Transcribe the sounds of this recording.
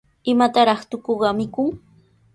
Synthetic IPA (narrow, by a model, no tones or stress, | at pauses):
ɪmat̪aɾɑχt̪ʊkoɢɑmɪkʊŋ